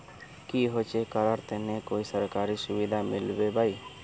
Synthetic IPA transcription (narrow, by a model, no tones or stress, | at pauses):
kiɦot͡ʃʰekaɾaɾt̪enekojsəɾkaɾisubid̪ʱamilbebaj